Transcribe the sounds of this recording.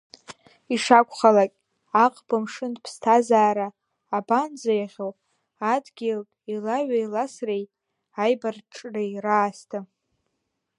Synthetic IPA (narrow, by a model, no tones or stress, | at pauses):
iʂakʷʰʼχalakʲʼ | aqʼbɨmʂɨndpʰstʰazaːɾaː | band͡zajaʁʲowpʼ | adɡʲeltʼilaɥailasrej | ajbarʈ͡ʂʼrejraːstʰa